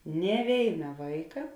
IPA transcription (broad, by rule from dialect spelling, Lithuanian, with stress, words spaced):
nʲeː ˈʋʲeːɪnɐ ˈʋɐɪkɐ